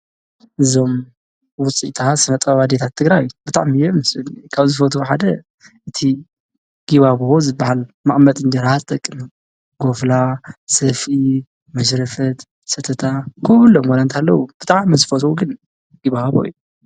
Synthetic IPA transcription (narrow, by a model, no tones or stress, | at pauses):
ʔɨzo̞m | wʊt͡sʼit̪ʰasɨnɐt̪ʼɐβad̪et̪ʰat̪ʰːɨɡɾajb̥ɨt̪ʼa̰ʕmijɛmɨsɨnkʰaβzɨfot̪ʰuħad̪ɐ | ʔɨt̪ʰi | ɡ̥iβaβozɨbahalmaʔʼmɐt̪ʼɨnd̪ɐɾazɨt̪ʼɐkʼːɨnɐm | ɡ̥oflasɐfi | mɐʃɾɐfɐt̪ | sɐt̪ʰɐt̪ʰakʰoβɨlːomwɔnant̪ʰalːɐwub̥ɨt̪ʼaʕʕmizɨfot̪ʰwuɡɨn | ɡ̥iβaβo̰j̰u